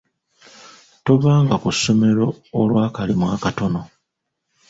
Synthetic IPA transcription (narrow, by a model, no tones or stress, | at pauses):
toβaːŋɡakusːo̞me̞ɾo̞ːlwaːkalimwaːkato̞no̞